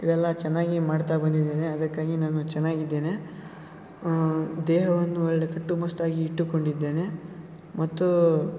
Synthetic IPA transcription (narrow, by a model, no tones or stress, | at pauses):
iʋɛlːɐt͡ʃɛnːaːɡimaːɖt̪abɐnd̪id̪ːeːneɐd̪ɐkːaːɡinaːnut͡ʃɛnːaːɡid̪ːe̞ːne̞ | d̪ɛːɦɐʋɐnːuɔɭːekɐʈːumɐst̪aːɡiːʈːuko̞ɳɖid̪ːe̞ːne̞ | mɐt̪ːu